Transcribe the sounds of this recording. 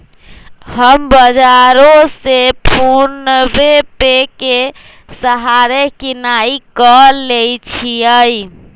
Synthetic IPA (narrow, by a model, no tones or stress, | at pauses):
ɦəmbəd͡ʒaɾosepʰuɾnəbepeke | səɦaɾekinaikəlejt͡ʃʰiəj